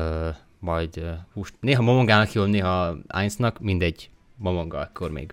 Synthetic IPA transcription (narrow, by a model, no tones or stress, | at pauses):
ø | mɒjd̪øhuːʃneːɦɒmomoŋɡaːnɒkjoːlneːɦɒa̰ːnsnɒkmind̪ɛɟ | momoŋɡɒɛkːormḛːɡ